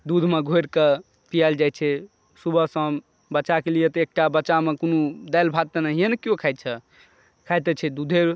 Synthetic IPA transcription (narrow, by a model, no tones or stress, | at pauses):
d̪ud̪ʱmeɡʱoɾke | pijald͡ʒajt͡ʃʰɛ | subəsəm | bətːt͡ʃakelijet̪ɔek̚ʈabətːt͡ʃamekonud̪ajlbʱat̪̚ːənəɦienəkjokʰajt̪t͡ʃʰɛ | kʰajt̪ɛt͡ʃʰɛd̪ud̪ʱeɾ